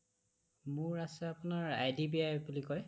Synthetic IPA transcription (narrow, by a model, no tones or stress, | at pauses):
mʊɹasɛapunaɹa̰jdibiajbulikɔj